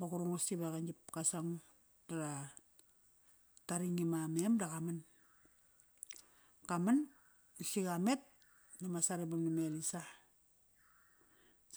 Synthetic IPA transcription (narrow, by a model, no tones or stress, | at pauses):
bakuɾuŋasibakand͡ʒipkasaŋ | taɾa | taɾiŋimamemdakaman | kaman | isikamet̚ | namasaɾebamnimelisa